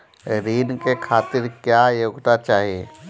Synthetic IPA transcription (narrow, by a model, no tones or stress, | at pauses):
ɾiːnkekʰaːt̪ɪɾkjaːjoːɡt̪at͡ʃaːɦiḛ